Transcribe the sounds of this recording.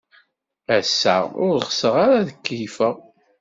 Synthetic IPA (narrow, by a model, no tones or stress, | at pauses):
æsːæʊɾχəsəʁaɾaðəkːijfəʁ